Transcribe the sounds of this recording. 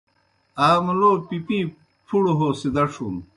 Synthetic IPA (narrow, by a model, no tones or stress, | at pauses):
aːmuloːpipi | pʰuɽoɦoːsid̪ɐʂum